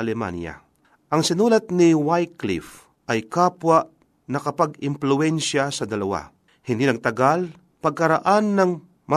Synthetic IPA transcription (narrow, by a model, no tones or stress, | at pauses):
ɐlɛma̰nja̰ | ʔɐŋsɪnuːlɐt̪̚nɪwajklḭf | ʔɐjkaːpwaʔ | nɐkɐpaɡɪmplʊɛnʃasɐd̪ɐlɐwa̰ | hɪnd̪iːnɐɡ̚t̪ɐɡal | pɐɡ̚kɐɾaʔanːɐŋ | ma